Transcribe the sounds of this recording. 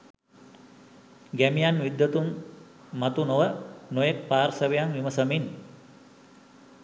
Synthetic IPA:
ɡæmijanʋid̪ːət̪umː | at̪unoʋənojek̚paːɾsəʋejaŋʋiməsəmin

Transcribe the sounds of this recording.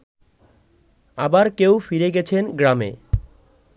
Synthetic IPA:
abaɾkewfiɾeɡɛt͡ɕʰenɡɾamḛ

